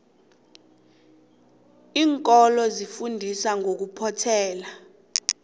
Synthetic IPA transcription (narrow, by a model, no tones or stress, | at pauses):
iːŋkʼɔlɔzifundʱisaŋɡʱok̬upʰɔtʰɛːla